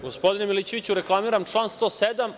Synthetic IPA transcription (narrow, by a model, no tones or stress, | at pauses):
ɡospo̞d̪inemilit͡ɕeʋit͡ɕuɾeklˠamiːɾamt͡ʂlˠaːnst̪o̞ːsed̪am